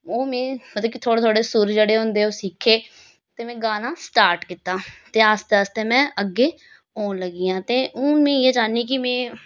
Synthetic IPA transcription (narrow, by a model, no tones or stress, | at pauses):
oːmɛ̃ːmət̪ləbkit̪ʰoːɽeːt̪ʰoːɽeːsʊɾd͡ʒeːɽeːɦʊ̃nd̪eːoːsikʰːeː | t̪eːmɛ̃ːɡaːnãːsʈaːɾʈkit̪ːaːt̪eːaːst̪eəst̪eːmɛ̃ːʔəɡːeː | oːnləɡiːãːt̪eːʔõːmɛ̃ːeːd͡ʒaːniːkɪmɛ̃ː